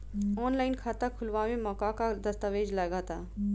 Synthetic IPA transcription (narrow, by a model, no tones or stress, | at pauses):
ɔːnlaːɪnkʰaːt̪akʰʊlʋaʋẽmɔːkakad̪ɐst̪aʋeːd͡ʒlɐɡaːt̪aː